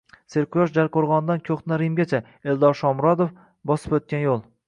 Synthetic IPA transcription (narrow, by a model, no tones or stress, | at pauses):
seɾkʲʊjɒʃd͡ʒaɾqʰoɾʁɒnd̪ankʲʰoχt̪naɾimɡʲat͡ʃʰa | eld̪ɒɾʃɒmɾɒd̪of | bɒsɨ̥pɵt̪̚kʲanjolˠ